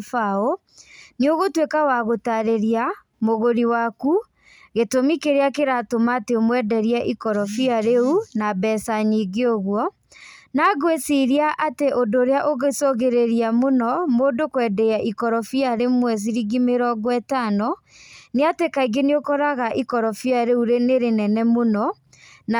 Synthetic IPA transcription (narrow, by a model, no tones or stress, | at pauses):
fao | nioɣotwekawaɣotaɾeɾia | moɣoɾiwaku | ɣetomikeɾeakeɾatomateomwɛdɛɾiaʔikɔɾɔfiaɾeunabɛːsaɲiːɡeoɣwɔ | naɡwesiɾiaʔateʔodoɾeaʔoɣesoɣeɾeɾiamonɔmoːndokwɛdɛaʔikɔɾɔfiaɾemwɛs̬iɾiɡimeɾɔɡwɛtanɔ | neatekaiɡeniokɔɾaɣaʔikɔɾɔfiaɾeuɾeneɾenɛnɛmonɔ | n